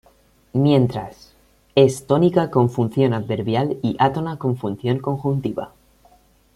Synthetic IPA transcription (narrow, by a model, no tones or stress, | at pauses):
mje̞nt̪ɾa̰s | e̞st̪onikako̞ɱfunθjo̞naðβe̞ɾβjaliʔat̪o̞nakõ̞ɱfun̟θjoŋko̞ŋxunt̪iβa̰